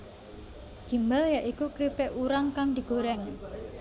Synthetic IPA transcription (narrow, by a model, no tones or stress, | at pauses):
d͡ʒ̥i̤mbaljaʔikukɾipɛʔuɾaŋkaŋd̪̥i̤ɡ̥oɾɛŋ